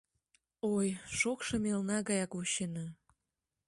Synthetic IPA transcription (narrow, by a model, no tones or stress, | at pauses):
ojʃokʃɤ̆melnɑɣɑjɑkuɕenɑ